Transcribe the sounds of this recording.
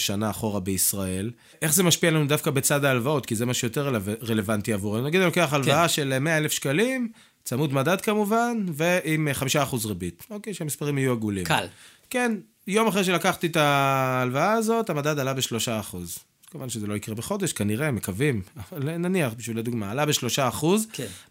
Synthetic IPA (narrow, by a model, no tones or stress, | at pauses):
ʃanaːχo̞ʁabeisʁae̞l | ʔe̞χze̞maʃpialanud̪afkabe̞t͡sadaːlvao̞tkizemaʃujot̪eʁelaveʁe̞levant̪iavuʁeunaɡid̪loke̞aχalvaaʃe̞lmeaelefʃkalim | t͡samud̪madad̪kamuvanve̞imχamiʃaːχuzʁebit̪o̞kejʃeamispaʁimhajuaɡulimka̰l | ke̞n | jo̞maχʁeʃelakaχt̪it̪aːlvaaːzo̞t̪amadad̪alabeʃlo̞ʃaːχuz | kovanʃezelo̞ikʁebeχo̞d̪e̞ʃkaniʁe̞mekavimavalnaniaχbiʃviled̪uɡmaːlabe̞ʃlo̞ʃaːχuzk